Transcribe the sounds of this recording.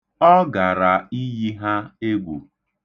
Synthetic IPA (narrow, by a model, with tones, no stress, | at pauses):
ɔ˦ɡa˨ɾa˨i˦ji˦ɦa˦e˦ɡʷṵ˨